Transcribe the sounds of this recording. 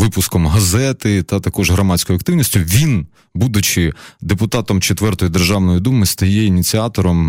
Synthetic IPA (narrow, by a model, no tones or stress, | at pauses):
ʋɪpʊskɔmɦɐzɛt̪ɪt̪ɐt̪ɐkɔʒɦɾɔmɑt͡sʲkɔjɐkt̪ɪʋwnʲisʲtʲʊʋʲin | bud̪ʊt͡ʃɪd̪epʊt̪ɑt̪ɔmt͡ʃet̪ʋɛrt̪ɔjʊd̪e̞rʒɑwnɔjʊd̪umɪst̪ɐjɛinʲit͡sʲiɑt̪ɔɾɔm